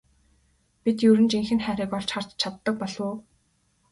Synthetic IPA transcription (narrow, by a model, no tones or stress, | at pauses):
pit̪jɵɾɘ̆nt͡ɕiŋxɘ̆nχæːɾiːkɔɮt͡ɕχar̥t͡ɕt͡ɕʰat̪ːə̆k̚pɔɮoː